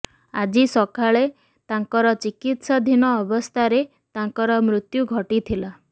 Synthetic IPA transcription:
ad͡ʒisɔkaɭe | t̪aŋkɔɾɔt͡ʃikit̪sad̪ʱinɔːbɔst̪ʰaɾe | t̪aŋkɔɾɔmɾut̪juɡʱɔʈit̪ʰila

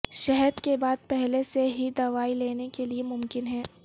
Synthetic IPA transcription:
ʃɛɦɛɾkebaːd̪̚pɛɦleseɦid̪ɐʋaːileːnekeliemʊmkɪnɦɛ̃ː

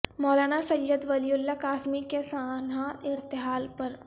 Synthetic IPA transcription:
mɔːlaːɽ̃asɐjjəd̪ʋɐlijʊlːakaːsmikesaːnaɪɾt̪ɪɦaːlpɐɾ

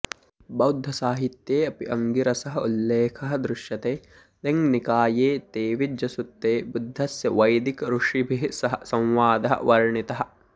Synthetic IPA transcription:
bɐwd̪ʱːɐsaːɦit̪jeːɐpiʔɐŋɡiɾɐsɐɦɐulːeːkʰɐɦɐ̆d̪ɾuʃjɐt̪eː | leŋɡnikaːjeːt̪eːʋid͡ʒɐsut̪ːeːbud̪ʱːɐsjɐʋɐjd̪ikɐɾuʂibʱiɦsɐɦɐsɐ̃w̃ʋaːd̪ɐɦɐ̰ʋɐɾɳit̪ɐɦɐ̆

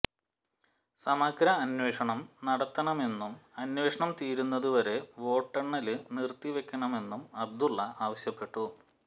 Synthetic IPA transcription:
sɐmɐɡɾɐːnwe̞ːʂɐɳɐmnɐɽɐt̪ːɐɳɐme̞nːumɐnwe̞ːʂɐɳɐmt̪iːɾunːɐðuʋɐɾe̞ʋo̞ːʈːɐɳːɐlɨnirt̪ːiʋe̞kʲːɐɳɐme̞nːumɐb̚d̪ulːɐaːʋɐɕjɐpːe̞ʈːu

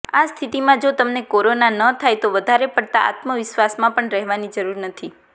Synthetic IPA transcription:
ast̪ʰit̪imãd͡ʒot̪əmnekoɾonanət̪ʰajt̪oʋəd̪ʱaɾepəɽt̪aa̰t̪məʋɪʃʋasmãpəɳɾɛɦʋanid͡ʒəɾuɾnət̪ʰi

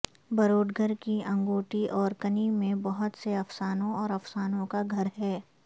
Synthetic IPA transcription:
bɐɾoːɖɡʱəɾkiɐ̃ŋɡoːʈiʔɔːɾkɐnimẽbɐɦʊt̪seɐfsaːnõɔːɾɐfsaːnõkaɡʱɐɾɦɛː

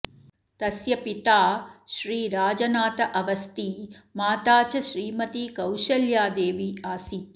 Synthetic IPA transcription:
t̪ɐsjɐpit̪aːʃɾiːɾaːd͡ʒɐnaːt̪ɐʔɐʋɐst̪imaːt̪aːt͡ʃɐʃɾiːmɐt̪ikɐwʃɐljaːd̪eːʋiaːsi

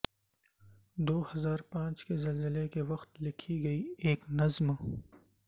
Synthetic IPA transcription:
d̪oːhɐzaːɾpãːt͡ʃkezɐlzɪlekewɐxt̪lɪkʰiɡɐieːknɐzm

